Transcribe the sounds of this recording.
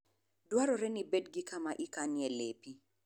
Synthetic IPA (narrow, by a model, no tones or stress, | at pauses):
dwaɾoɾɛnibedɡɪkamaʔikanjɛlepi